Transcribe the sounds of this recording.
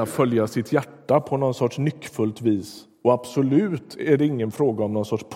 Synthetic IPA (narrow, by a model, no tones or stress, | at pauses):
afœljasɪt̪ʰjæʈːapʰɔnɔnsɔʈʂnʏkːfɵlt̪viːs | ɔab̥sʊlʉ̟ːt̪æɖɛɪŋːənfɾoːɡaɔmnɔnsɔʈʂpʰ